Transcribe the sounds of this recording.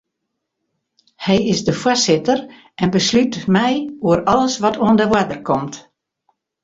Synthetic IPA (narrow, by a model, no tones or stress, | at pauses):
hɛjɪsdəfwasɪtər | ʔɛnbəslytmɛjuəɾɔləsʋɔtʰuəndəʋwadərkʰɔmt